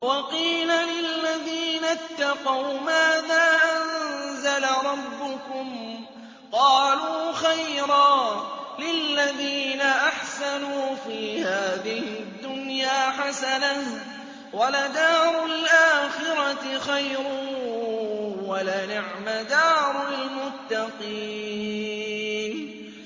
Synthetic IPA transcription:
wɑqiːlalɪlːaðiːnat̪ːɑqɑwmaːðaːʔanzalaɾˤɑbːʊkʊm | qɑːluːxajɾˤɑːlɪlːaðiːnaʔaħsanuːfiːhaːðɪhɪd̪ːʊnjaːħasana | walad̪aːɾˤʊlʔaːxɪɾɑt̪ɪxajɾʊː | walanɪʕmad̪aːɾˤalmʊt̪ːɑqiː | n

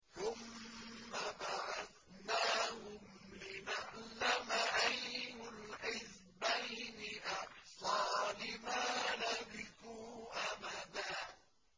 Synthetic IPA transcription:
θʊmː | abaʕað | naːhʊmlɪnaʕlamaʔajmʊlħɪz | bajnɪʔɑħsˤɑːlɪmaːnabɪkuːʔamaðaː

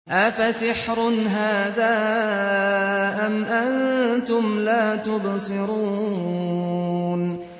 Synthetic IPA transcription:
ʔafasɪħɾʊnɦaːðaː | ʔamʔant̪ʊmlaːt̪ʊbsˤɨɾuː | n

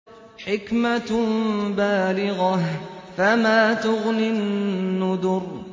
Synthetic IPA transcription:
ħɪkma | baːlɪɣɑhfamaːt̪ʊɣnɪnːʊd̪ʊɾ

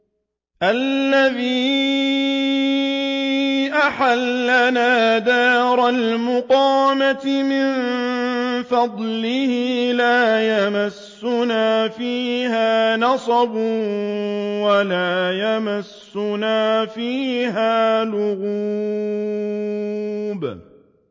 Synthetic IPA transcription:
ʔalːaðiː | ʔaħalːanaːd̪aːɾˤalmʊqɑːmat̪ɪmɪn | fɑd̪ˤlɪhɪlaːjamasːʊnaːfiːhaːnɑsˤɑbʊ | walaːjamasːʊnaːfiːɦaːlʊɣu | b

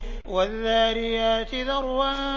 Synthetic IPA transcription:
waðːaːɾɪjaːt̪ɪðɑɾˤwa

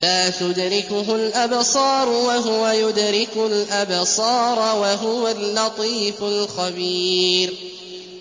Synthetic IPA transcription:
laːt̪ʊd̪ɾɪkʊɦʊlʔabsˤɑːɾˤʊwaɦʊwajʊd̪ɾɪkʊlʔabsˤɑːɾˤwaɦʊwalːɑt̪ˤiːfʊlxabiːɾ

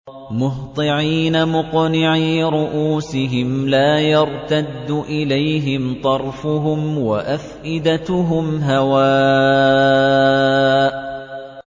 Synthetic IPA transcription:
mʊɦt̪ˤɨʕiːnamʊqnɪʕiːɾʊʔuːsɪɦɪmlaːjɑɾˤt̪ad̪ːʊʔɪlajɦɪmt̪ˤɑɾˤfʊɦʊmwaʔafʔɪd̪at̪ʊɦʊmɦawaː | ʔ

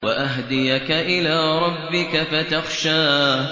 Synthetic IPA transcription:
waʔaɦd̪ɪjakaʔɪlaːɾˤɑbːɪkafat̪axʃaː

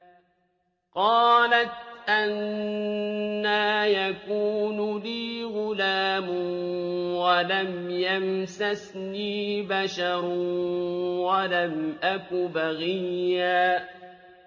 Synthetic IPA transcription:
qɑːlat̪ʔan | aːjakuːnliːɣʊlaːm | walamjamsasniːbaʃɑɾˤ | walamʔakʊbaɣijːaː

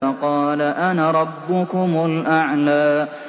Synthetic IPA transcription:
ɑqɑːlaʔanaɾˤɑbːʊkʊmʊlʔaʕlaː

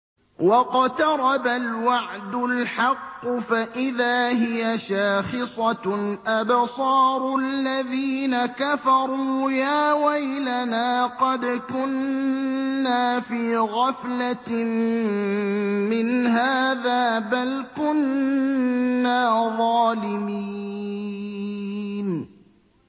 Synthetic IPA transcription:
wɑqɑt̪ɑɾˤɑbalwɑʕd̪ʊlħɑqːʊfaʔɪðaːɦɪjaʃaːxɪsˤɑʔabsˤɑːɾˤʊlːaðiːnakafɑɾˤuːjaːwajlanaːqɑd̪kʊnː | aːfiːɣɑfla | mɪnɦaːðaːbalkʊn | aːðˤɑːlɪmiː | n

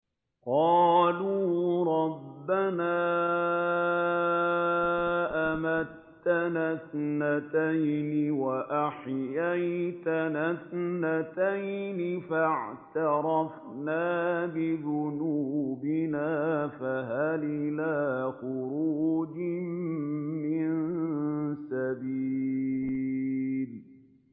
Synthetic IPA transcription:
qɑːluːɾˤɑbːanaː | ʔamat̪ːanasnat̪ajnɪwaʔaħjajt̪anasnːat̪ajnɪfaʕt̪ɑɾˤɑf | naːbɪðʊnuːbɪnaːfaɦalʔɪlaːxʊɾuːd͡ʒɪmmɪnn | sabiː | l

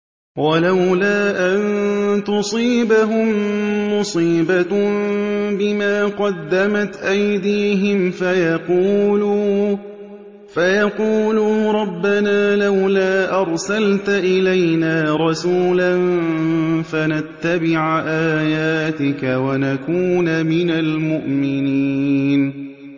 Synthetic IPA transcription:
walawlaːʔant̪ʊsˤiːbaɦʊmːʊsˤiːba | bɪmaːqɑd̪ːamat̪ʔajd̪iːɦɪmfajɑquːluː | fajɑquːluːɾˤɑbːanaːlawlaːʔɑɾˤsalt̪ʔɪlajnaːɾˤɑsuːlan | fanat̪ːabɪʕʔaːjaːt̪ɪkawanakuːnamɪnalmʊʔmɪniːn

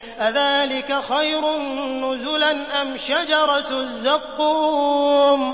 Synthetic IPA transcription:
ʔaðaːlɪkaxajɾʊnːʊzʊlanʔamʃad͡ʒɑɾˤɑzːaqːuːm

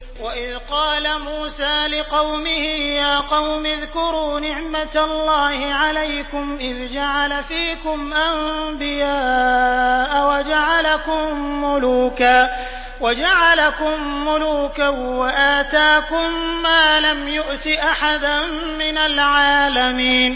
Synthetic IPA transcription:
waʔɪðqɑːlamuːsaːlɪqɑwmɪhɪjaːqɑwmɪðkʊɾuːnɪʕmat̪lːɑːhɪʕalajkʊmʔɪðd͡ʒaʕalafiːkʊmʔambɪjaː | ʔawad͡ʒaʕalakʊmːʊluːkaː | wad͡ʒaʕalakʊmːʊluːkawaʔaːt̪aːkʊmːaːlamjʊʔt̪ɪʔaħad̪an | mɪnalʕaːlamiːn

